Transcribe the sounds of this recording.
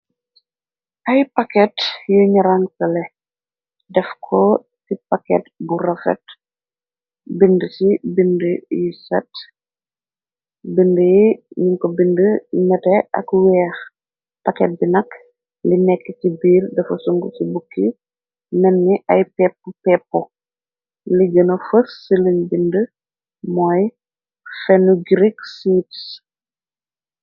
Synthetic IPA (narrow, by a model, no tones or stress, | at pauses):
ʔɐjpɐkɛtjuɲɐɾaŋsɐlɛ | dɛfkʰɔ | sipakɛ̰t̚burɐfɛ̰t | bindəsibindəjusɐt | bindəjɲuŋkɔbindəɲɐtɛɐ̰kwɛːx | pɐkɛt̚binɐk | linɛkːətibiːrdɐfɐsuŋɡusibukːi | nɛnːiʔɐjpɛpːupɛːpːɔ | liɡənɐfəssələɲbində | mɔːj | fɛnuɡɾiksiːts